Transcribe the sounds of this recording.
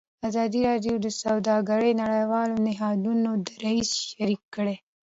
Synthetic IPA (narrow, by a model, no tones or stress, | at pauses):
azɑd̪iɾɑɖjod̪əsawd̪ɑɡaɽenaɽajwɑlonɪɦɑd̪unod̪əɾaisʃaɾikːəɽe